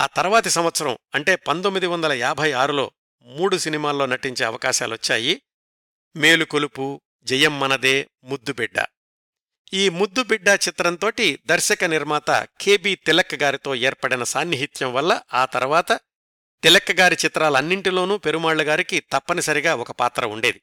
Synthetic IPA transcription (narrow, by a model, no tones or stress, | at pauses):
aːt̪ɐɾɐʋaːt̪isɐmʋɐt̪sɐɾɐmɐɳʈe̞ːpɐnt̪omːid̪iʋɐnd̪ɐlɐjaːbʱɐjaːɾulo̞̰ː | muːɽusinimaːlːo̞ːnɐʈːiɲt͡ʃe̞ːɐ̰ʋɐkaːʃa̰ːluʋɐt͡ʃːa̰ːji | meːlukolupu | d͡ʒɛjɐmːɐnɐd̪e̞ː | mud̪ːubiɖːɐ̰ | iːmud̪ːubiɖːɐt͡ʃit̪ɾɐnt̪o̞ːʈid̪ɐɾʃɐkɐniɾmaːt̪ɐ̰kʰeːbiːt̪ilɐkːɐɡaːɾit̪o̞ːɛːɾpɐɽinɐsaːnːiɦit̪jɐmʋɐlːɐaːt̪ɐɾuʋaːt̪ɐ | t̪ilɐkːɐɡaːɾit͡ʃit̪ɾaːlɐɐnːiɳʈilo̞ːnuːpe̞ɾumaːɭːuɡaːɾikit̪ɐpːɐnisɐɾiɡaːɔkɐpaːt̪ɾɐ̰uɳɖeːd̪i